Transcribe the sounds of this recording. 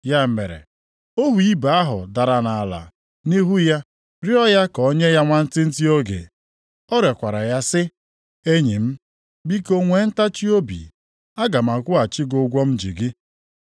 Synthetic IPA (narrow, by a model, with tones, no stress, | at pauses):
ja˦˨me˨ɾḛ˨ | o˦ɦu˨i˦ba˨a˦ɦʊ̰˨da˨ɾa˨na˨la̰˨ | ni˦ɦu˦ja˦ | ɾi˦ɔ˦ja˦kɔ˨˦ɲe˦ja˦ŋʷa˦n̩˦tɪ˦n̩˦ti˦o˦ɡḛ˨ | ɔ˦ɾe˨kʷa˨ɾa˨ja˦sɪ˦ | e˦ɲi˨m̩˦ | bi˦ko˦ŋʷe˨˦n̩˦ta˦t͡ʃi˦o˦bḭ˨ | a˦ɡa˨m˨a˨kʷʊ˦a˨t͡ʃi˦ɡʊ˨ɡʷɔ˦m̩˦d͡ʒḭ˨ɡɪ˦